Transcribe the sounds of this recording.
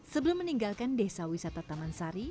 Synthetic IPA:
səbəlʊmːəniŋɡalkandesawisat̪at̪amansaɾi

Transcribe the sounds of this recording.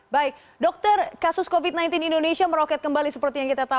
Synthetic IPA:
baɪk̚ | dɔk̚t̪ərkasʊskovit̪̚najnt̪inindonesiaməɾokɛt̪̚kəmbalisəpərt̪ijaŋkit̪at̪a

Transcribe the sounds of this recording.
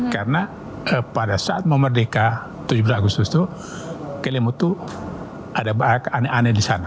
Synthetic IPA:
karna | əpadasaat̪̚məmərdeka | t̪ud͡ʒubɾaɡust̪ust̪u | kɛlimut̪u | ʔadabakanɛʔanɛdisana

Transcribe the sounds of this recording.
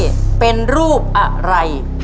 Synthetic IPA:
pɛnrup̚aʔraj

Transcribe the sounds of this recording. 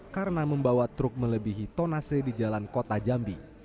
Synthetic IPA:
kaɾənaməmbawat̪ɾʊk̚mələbiɦit̪onasədid͡ʒalankot̪ad͡ʒambi

